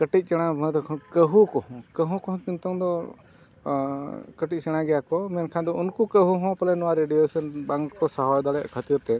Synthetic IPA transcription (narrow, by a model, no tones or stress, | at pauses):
kəʈic̪̚ˀt͡ʃɛɽ̃abʱə̃d̪ɔkʰɔ̃kəɦukɔɦɔ̃kəɦũkɔɦɔ̃t̪int̪ɔŋd̪ɔ | kəʈic̚ˀt͡ʃɛɽ̃aɡɛjakɔmɛnkʰand̪ɔunkukəɦuɦɔ̃palɛnɔwaɾeɖiesɔnbaŋkkɔsaɦɔjd̪alɛʔkʰət̪iɾt̪ɛ